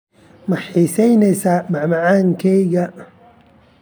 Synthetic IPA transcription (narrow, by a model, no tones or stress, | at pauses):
mɐħiːsɛjnɛjsaːmɐʕmɐʕaːŋkʰɛjɣɐ